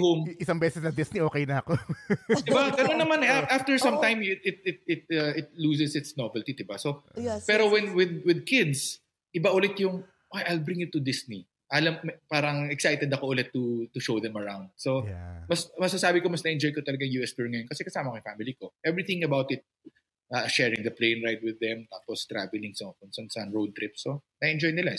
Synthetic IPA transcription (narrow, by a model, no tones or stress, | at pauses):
homɪsaŋbɛsɛsnɐd̪ɪsniʔoːkɛjnɐɐkod̪ɪbakɐonɐmanɛʔaʔaft̪ɛɹsɐ̃mt̪ajmt̪ɪt̪̚ɪt̪̚ɪt̪̚ɐʔɪt̪̚luːsɛsɪt̪snovɛlt̪id̪ɪbasopɛːɾowɛnwɪd̪wɪd̪̚kɪd̪s | ʔɪbaʔʊlɛt̪jʊŋ | ʔajʔɐjlbɾĩŋjʊt̪ʊd̪ɪsni | ʔɐlɐmpaːɾɐŋɛksajt̪ɛd̪ɐkoʔʊlɛt̪ːʊt̪ʊʃowðɛ̃mɐɹawnd̪̚somɐsmɐsɐsaːbɪkomɐsnɐʔɛ̃nd͡ʒojkot̪ɐlɐɡaŋjuːɛspuɹŋɐjonkɐsɛkɐsaːmɐkɐjfaːmɪlikoʔɛvɹiθɪ̃ŋɐbawt̪ɪt̪̚ | ʔɐʃɛːɹɪ̃ŋd̪ɐpleɪnɹajd̪̚wɪðɛmt̪aːpost̪ɹavɛlɪŋsofʊnsɐnsɐnɹod̪̚t̪ɾɪp̚sːonɐɛ̃nd͡ʒojnɪla